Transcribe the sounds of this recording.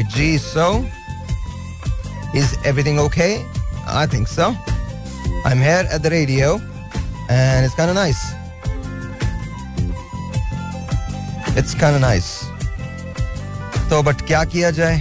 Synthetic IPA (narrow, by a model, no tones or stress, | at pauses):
d͡ʒiːso | ɪzɛvɾit̪ɪ̃ŋoːkʰeɪa̰ɪt̪ʰɪ̃ŋkso | ã̰ɪ̃mɦiɾæ̰t̚d̪əɾeːɖioʊ | ɛ̃nɪtskãɪ̃ndənaɪs | ɪtskʰãɪ̃ndənaɪs | t̪oːbɐʈkjaːkijad͡ʒaːe